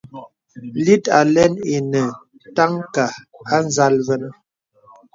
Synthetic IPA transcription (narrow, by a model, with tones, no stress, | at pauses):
li˦ta˨lɛ˦ne˨nə˨ | ta˦ŋka˨a˦n˦za˦lvɛ˦n˦